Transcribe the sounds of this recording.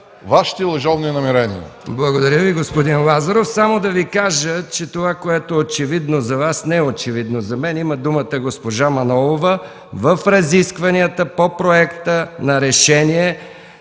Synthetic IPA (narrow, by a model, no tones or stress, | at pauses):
vaʃi̥t̪ɛlˠɐʒɔvninɐmɛɾɛnḭə̰ | blˠɐɡod̪ɐɾʲjəviɡospod̪inlˠazɐɾofsamod̪ɐvikaʒət͡ʃɛt̪ovakoɛt̪oɛot͡ʃɛvid̪nozɐvasnɛɛot͡ʃɛvid̪nozɐmɛniməd̪umət̪əɡospoʒamɐnɔlˠovə | vəfɾɐziskvɐniət̪əpopɾoɛkt̪ənɐɾɛʃɛniɛ